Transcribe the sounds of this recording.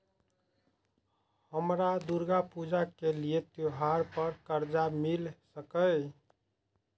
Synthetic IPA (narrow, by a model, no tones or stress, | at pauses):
həmɾad̪uɾɡapud͡ʒakeliet̪joɦaɾpəɾkəɾd͡ʒamilsəkəj